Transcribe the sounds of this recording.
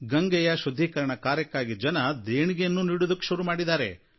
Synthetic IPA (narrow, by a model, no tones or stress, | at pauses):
ɡɐŋɡɛjɐʃud̪ʱːikɐɾɐɳɐkaːɾjɐkːaːɡid͡ʒɐnɐd̪eːɳiɡejɐnːuniːɽud̪ɐkːʃuɾumaːɽid̪aːɾḛ